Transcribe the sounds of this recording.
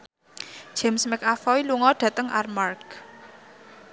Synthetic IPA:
d̥ʒ̥ɛ̤msmɪkafɔiluŋɔɖ̥ä̤t̪əŋʔa̰rmark

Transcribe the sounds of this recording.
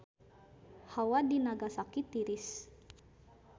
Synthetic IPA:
hawadinaɡasakit̪iɾɪs

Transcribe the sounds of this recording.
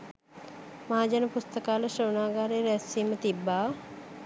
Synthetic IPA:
maːd͡ʒanəpust̪əkaːləʃəwnaːɡaːɾeːɾæsiːmət̪ibːaː

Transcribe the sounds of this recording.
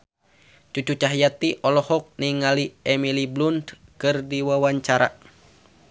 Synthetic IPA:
t͡ʃut͡ʃut͡ʃaɦjat̪iʔɔlɔhɔk̚niŋaliɛmiliblund̪kɨrdiwawaɲt͡ʃaɾa̰

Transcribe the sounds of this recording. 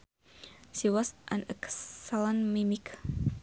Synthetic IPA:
siwasʔanəksalanmimik

